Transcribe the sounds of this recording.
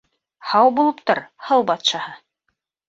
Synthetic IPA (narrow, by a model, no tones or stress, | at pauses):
hɑwbulˠɤpt̪oɾhɤlˠbɑt̪ʃɑhɤ